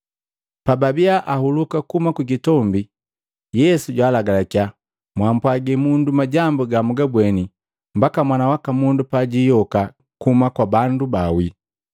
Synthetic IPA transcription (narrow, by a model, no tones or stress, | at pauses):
pababiaʔahulukakumakwikitɔmbi | jɛsuɟwaːlaɡalakia | mwampwaɡɛmundumaɟambɔɡamuɡabwɛni | mbakamwanawakamundupaɟijɔka | kumakwabandubawi